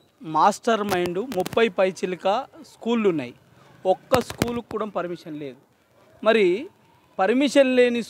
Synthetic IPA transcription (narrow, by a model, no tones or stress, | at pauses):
maːsʈɐɾmɐjɳɖumupːɐjpɐjt͡ʃilikɐskuːlːunːa̰ːji | ɔkːɐskuːlukːuːɽɐmpɐɾimiʂɐnle̞ːd̪u | mɐɾi | pɐɾmiʂɐnle̞ːni